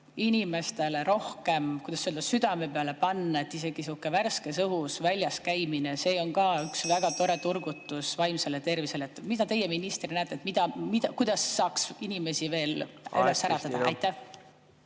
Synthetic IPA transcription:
inʲime̞st̪e̞le̞ɾo̞hke̞mkujd̪̥ɑsːøld̪ɑsyd̪̥ɑme̞peɑle̞pɑnːɑe̞t̪ːˑise̞ɡ̥isukːeværske̞sɤɦusvælʲjɑskæjminese̞ːo̞ŋkɑːyksvæɡ̥ɑt̪o̞ɾe̞t̪urɡ̥ut̪ːˑusvɑjmselet̪e̞rvise̞let̪ːˑmid̪ɑt̪e̞jeminist̪rnæːt̪ːet̪ˑmid̪̥ɑmid̪ɑkujd̪̥ɑsːɑːksinime̞sive̞ːlʔylesːæɾɑtt̪ːɑd̪ɑɑjt̪ːæh

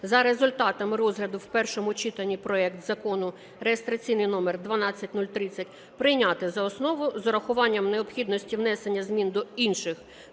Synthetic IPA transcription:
zɐɾe̞zʊlʲt̪ɑt̪ɐmɪɾɔzɦlʲɐd̪ʊwpɛrʃɔmʊt͡ʃit̪ɐnʲːipɾɔɛkt̪z̥ɐkɔnʊ | ɾeest̪ɾɐt͡sʲijnɪjnɔmerd̪ʋɐnɑt͡sʲːɐtʲnulʲt̪ɾɪt͡sʲːɐtʲ | pɾɪjnʲat̪ɪzɐɔsnɔʋʊzɔɾɐxʊʋɑnʲːɐmneɔpxʲid̪nɔsʲtʲiwnɛsenʲːɐzmʲind̪ɔinʃɪx

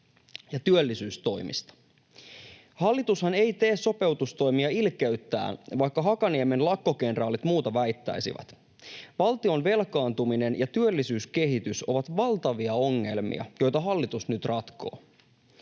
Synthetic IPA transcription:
jɑt̪yølːisyːst̪o̞jmḭst̪ɑ̥ | hɑlːit̪ushɑne̞jt̪e̞ːsso̞pe̞wt̪ust̪o̞jmiɑilkeyt̪ːæ̰ːnʋɑjkːɑɦɑkɑnieme̞nlɑkːo̞ke̞nrɑːlit̪muːt̪ɑʋæjt̪ːæ̰jsḭʋæ̰t̪ | ʋɑlt̪ionʋe̞lkɑːnt̪umine̞njɑt̪yølːisyːske̞ɦit̪yso̞ʋɑt̪ʋɑlt̪ɑʋiɑo̞ŋːe̞̰lmḭɑ̰jo̞jt̪ɑɦɑlːit̪usnyt̪rɑt̪ko̞̰ː

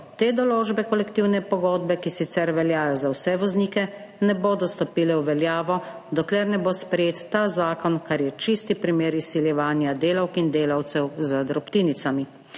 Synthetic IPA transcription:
t̪eːd̪ɔloːd͡ʒbɛkɔlɛkt̪iwnɛpɔɡoːd̪bɛkisit̪sɛɾʋɛljaːjɔzawsɛʋɔzniːkɛ | nɛboːd̪ɔst̪ɔpiːlɛwʋɛljaːʋɔ | d̪ɔklɛɾnɛbospɾɛjeːt̪ːaːzaːkɔnkaɾjɛt͡ʃist̪ipɾimeːɾisiljɛʋaːnjad̪eːlawkind̪eːlawt̪sɛwzəd̪ɾɔpt̪iːnit̪sami

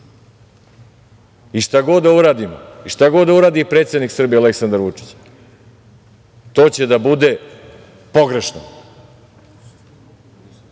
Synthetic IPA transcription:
iʂt̪aɡo̞d̪ːauɾaːd̪imo̰iʃt̪aɡo̞d̪d̪auɾaːd̪ipɾet̪sjed̪niksr̩bijeale̞ksand̪aɾʋut͡ʂi̥t͡ɕ | t̪o̞ːt͡ɕe̞d̪abud̪e̞ | po̞ɡɾe̞ʃno̰

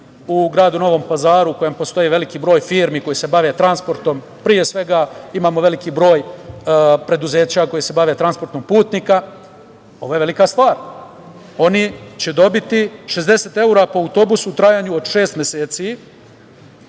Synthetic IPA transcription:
uɡɾaːd̪uno̞ʋo̞mpazaːɾuuko̞jempo̞st̪o̞jiʋe̞likibɾo̞ːjfiːɾmiko̞jise̞baʋe̞t̪ɾanspo̞ɾt̪o̞m | pɾije̞sʋe̞ɡaimaːmo̞ʋe̞likibɾo̞ːj | pɾe̞d̪uze̞ːt͡ɕako̞jise̞baʋet̪ɾanspo̞ɾt̪nompuːt̪nika | o̞ʋojeʋe̞likast̪ʋaːɾ | o̞nit͡ɕe̞d̪o̞bit̪iʃe̞zd̪e̞set̪e̞uɾapoawut̪o̞busuut̪ɾajaːɲuod̪ʃe̞ːst̪mʲjeseːt̪si

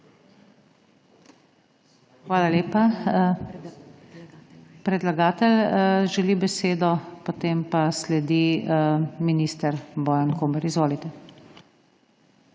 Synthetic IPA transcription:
xʋaːlaleːpa | pɾɛd̪laɡaːt̪ɛlʒɛlibɛseːd̪ɔpot̪eːmpaslɛd̪i | miniːst̪əɾbɔːjankoːməɾizʋoːlit̪ɛ

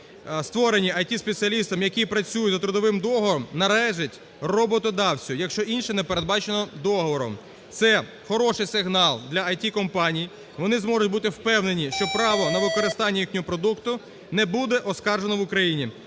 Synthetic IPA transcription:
st̪ʋɔɾenʲiʔɐjtʲispet͡sʲiɐlʲist̪ɐmjɐkʲipɾɐt͡sʲujʊt̪ʲzɐt̪ɾʊd̪ɔʋɪmd̪ɔɦɔʋɔɾɔmnɐlˠɛʒɪtʲ | rɔbɔt̪ɔd̪ɑwt͡sʲʊjɐkʃt͡ʃɔʔinʃɛnɛpeɾed̪bɑt͡ʃenɔd̪ɔɦɔʋɔɾɔ̰m | t̪sɛ | xɔɾɔʃɪjsɪɦnɑlˠd̪lʲɐɐjtʲikɔmpɑnʲiji | ʋɔnɪzmɔʒʊtʲbut̪ɪwpɛwne̞nʲiʃt͡ʃɔpɾɑʋɔnɐʋɪkɔɾɪst̪ɑnʲːijixnʲɔɦɔpɾɔd̪ukt̪ʊ | nɛbud̪ɛʔɔskɑrʒenɔʋʊkɾɐjinʲi

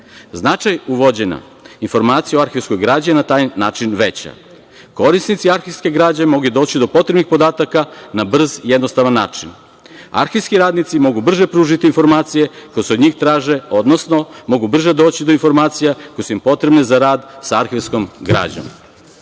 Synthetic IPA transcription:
znat͡ʃajuʋo̞d͡ʑena̰ | info̞ɾmaːt̪sijaoaɾxeʋsko̞jɡɾaːd͡ʑienat̪aːjnaːt͡ʃinʋe̞t͡ɕa̰ | ko̞ɾisnit̪siaɾxiʋskeɡɾaːd͡ʑemo̞ɡed̪o̞ːt͡ɕid̪o̞po̞t̪ɾebnixpo̞d̪aːt̪akanabr̩zjed̪no̞st̪aʋanːa̰ːt͡ʃin | a̰ɾxiskiɾaːd̪nit̪simo̞ɡubr̩ʒe̞pɾuːʒit̪iːnfo̞ɾmaːt̪sije̞kojeseod̪ɲiːxt̪ɾaːʒe̞o̞d̪nosno̞mo̞ɡubr̩ʒed̪o̞ːt͡ɕid̪o̞info̞ɾmaːt̪sijakojsuimpo̞t̪ɾe̞bnezaɾaːd̪saaɾxeʋsko̞mɡɾa̰ːd͡ʑo̰m

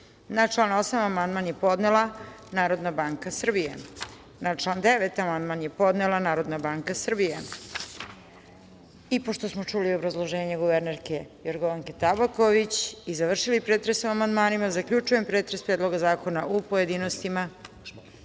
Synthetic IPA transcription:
nat͡ʃlˠaːnosamamand̪maːnjepo̞d̪nelˠa | naːɾo̞d̪nabaːŋkasr̩bijḛ | nat͡ʃlˠaːnd̪eʋet̪amand̪manjepo̞d̪nelˠanaːɾo̞d̪nabaːŋkasr̩bije | ipo̞ʃt̪o̞smot͡ʂuliobɾazlˠo̞ʒe̞ːɲeɡuʋeɾneɾkejoɾɡoʋaŋke̞t̪abakoʋit͡ɕizaʋr̩ʃilipɾeːt̪ɾesumamand̪maːnimazakʎut͡ʃujempɾeːt̪ɾespɾed̪lˠo̞ɡazaːko̞naʔupo̞je̞d̪inost̪ima

